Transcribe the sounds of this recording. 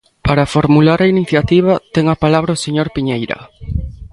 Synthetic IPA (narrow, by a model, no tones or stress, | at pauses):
paɾafoɾmulaɾɐiniθjat̪iβ̞ɐt̪ɛŋapalaβɾɐoseɲoɾpiɲejɾɐ̰